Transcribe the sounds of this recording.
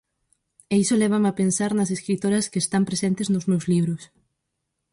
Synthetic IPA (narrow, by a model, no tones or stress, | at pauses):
eisolɛβ̞amapensaɾnɐseskɾit̪oɾɐskeːst̪ampɾesent̪eznʊzmewzliβɾʊs